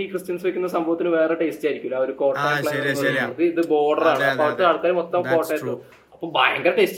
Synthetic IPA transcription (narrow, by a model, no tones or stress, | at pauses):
iːkrɨstjɐnsɐʋikʲːunːɐsɐmbʱɐʋɐt̪ːinɨʋe̞ːreʈestaːjiɾikʲːulːɐo̞ɾuko̞ːʈːɐːjɭɐɐenːoɐrðiiðɨbo̞ːɖɐraːɳɨpːɐʋɐt̪ːɨlɐɽukːaːɾumo̞t̪ːɐmko̞ːʈːɐʈːu | ɐpːoːɭbajɐŋɡɐɾɐʈest͡ɕ